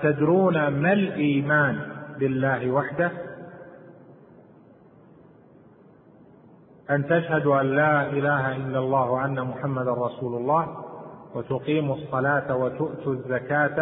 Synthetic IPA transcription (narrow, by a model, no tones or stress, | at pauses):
t̪ad̪ɾuːnamalʔiːmaːnbɪlːaːɦɪwaħd̪a | ʔant̪aʃhad̪ʔanːaːʔɪlaːɦaʔɪlːalˤːɑːhʔanːamʊħamːad̪anɾˤɑsuːlʊlˤːɑːhwat̪ʊqiːmɑsˤːɑlaːt̪wat̪ʊʔt̪ʊzːakaːt̪